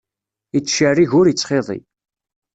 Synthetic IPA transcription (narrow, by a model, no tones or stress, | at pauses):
it͡sːʃəriʝʊɾjət͡sːχeðˤḭ